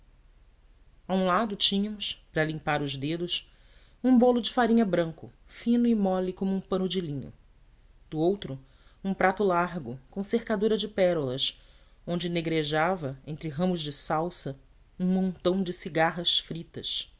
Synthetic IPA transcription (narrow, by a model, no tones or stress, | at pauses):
aũlad̪ʊt͡ʃĩɲɐmʊspɾɐlĩmpaɾʊzd̪ed̪ʊs | ũbolʊd͡ʒɪfaɾĩɲɐbɾɐ̃ŋkʊ̰fĩnʊɪmɔlikõmʊũpɐ̃nʊd͡ʒɪlĩɲʊ̰ | d̪̥ʊowt̪ɾʊ | ũpɾat̪ʊlaɦɡʊkõw̃sehkad̪uɾɐd͡ʒɪpɛɾʊlɐʃ | õnd͡ʒɪneɡɾeʒavɐẽnt̪ɾɪɦɐ̃mʊzd͡ʒɪsawsɐ | ũmõnt̪ɐ̃w̃d͡ʒɪsiɡaɦɐsfɾit̪ɐs